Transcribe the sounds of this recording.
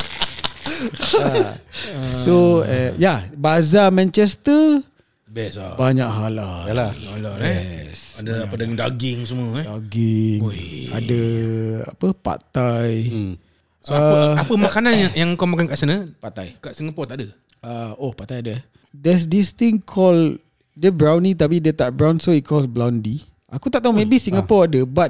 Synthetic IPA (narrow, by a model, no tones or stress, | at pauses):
a | soɛjabazamɛ̃nt͡ʃɛst̪ə | bɛsbaɲaʔɦalajalaalasadəapədadaɡɪŋsəmuəaɡiŋa̰dəa̰pəpa̰t̪aj | saapəmakananjaŋjaŋukawmakankaʔsənəpat̪ajkaʔsiŋapɔt̪aʔdə | aohpat̪ajadəɛ | dɛs̬dist̪iŋkʰɔl | dəbɾawnĩt̪̬ap̬idət̪aʔbɹawnsoit̪̚kʰɔlsblawndi | akut̪aʔt̪aumebisiŋɡapɔadəbat̚